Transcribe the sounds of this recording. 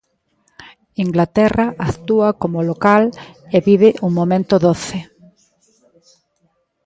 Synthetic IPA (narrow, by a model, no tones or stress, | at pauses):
iŋɡlat̪ɛraʔakt̪uakomolokaleβiβɪʔuŋmomẽnt̪oðoθɪ